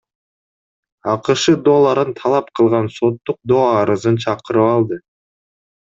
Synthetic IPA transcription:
ɑqɯʃɯd̪olˠːɑɾɯnt̪ʰɑlˠɑp̚qʰɯlˠʁɑnso̞t̪ːuq̚d̪oɑɾɯzɯnt͡ʃʰɑqɯɾɯpɑlˠd̪ɯ

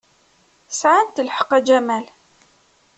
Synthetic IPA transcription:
sʕant̪əlħə̥qæd͡ʒæmæl

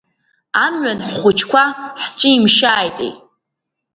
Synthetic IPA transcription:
amɥanħχʷʊt͡ʃʰkʷʰaħt͡sʷʰiimʃaːjtʼḛjʼ

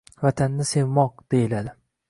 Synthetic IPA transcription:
vat̪ʰanːɪse̞vmɒq̚d̪̥ejɪlad̪ɪ

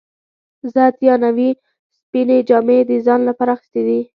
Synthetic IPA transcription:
zat̪jɑnawi | spined͡ʒɑmed̪əzɑnlapaɾaːxɪ̥st̪ed̪i

